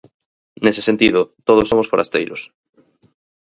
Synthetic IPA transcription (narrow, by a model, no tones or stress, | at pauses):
nese̥sent̪iðʊt̪oð̞osːomosfoɾa̰st̪ejɾʊ̰s